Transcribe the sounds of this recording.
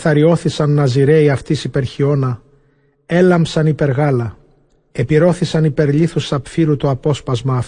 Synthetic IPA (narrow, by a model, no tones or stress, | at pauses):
θɐɾio̞θisɐnːɐziɾe̞iɐft̪isipe̞ɾçio̞nɐ | e̞lɐmpsɐnipe̞ɾɣɐlɐ | e̞piɾo̞θisɐnipe̞ɾʎiθusɐpfiɾut̪uɐpo̞spɐzmɐːf